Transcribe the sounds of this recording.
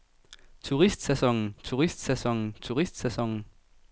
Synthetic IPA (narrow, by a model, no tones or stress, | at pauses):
t͡sʰuʁisd̥sæsɒ̽ŋn̩t͡sʰuʁisd̥sæsɒ̽ŋ̰n̩t͡sʰuʁisd̥sæsɒ̽ŋ̰n̩